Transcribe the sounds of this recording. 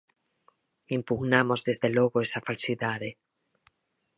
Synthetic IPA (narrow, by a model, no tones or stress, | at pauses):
impuɣnamo̞zðe̞zðelwoɣoesafalsiðaðe